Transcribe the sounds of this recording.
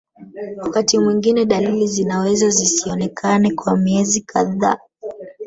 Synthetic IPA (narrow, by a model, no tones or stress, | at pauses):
wakatimwiŋɡinɛɗalilizinawɛzazisiɔnɛkʰanɛkwamiɛzikʰaða̰ː